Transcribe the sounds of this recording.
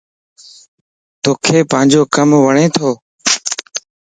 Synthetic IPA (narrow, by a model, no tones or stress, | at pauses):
t̪oːkʰeːpə̃ɦɪ̃ɲd͡ʒoːkəmʋəɳẽːt̪ʰoː